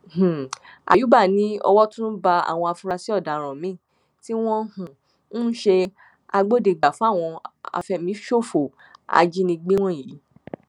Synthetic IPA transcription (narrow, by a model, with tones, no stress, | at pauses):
h̩˨a̰˨ju˨˦ba˦˨nĩ˨˦ɔ̰˧wɔ˦tũ˦ba˧a̰˨w̃ɔ̃˧a˧fũ˧ɾa˧si˦ɔ˦˨da˨ɾ̃ã˨mĩ˨˦˨ | ti˦w̃ɔ̃˦hũ˨ | nũ˦ʃe˧ | a˧ɡ͡bo˦de˨ɡ͡ba˨fũ˦a˦˨w̃ɔ̃˧a̰˨˧fɛ˧˨mĩ˨˦ʃo˦˨fo˨ | a̰˧d͡ʒi˦nĩ˧ɡ͡be˦w̃ɔ̃˦˨ji˨˦